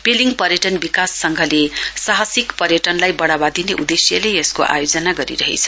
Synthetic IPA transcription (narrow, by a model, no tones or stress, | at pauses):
peliŋpʌrjʌʈʌnbikasːʌŋɡʱʌlesaɦʌsikpʌrjʌʈʌnlajbʌɽabad̪ineʔud̪esjʌleʌskoʔa̰jod͡zʌnaɡʌɾḭɾʌɦḛt͡sʰʌ̥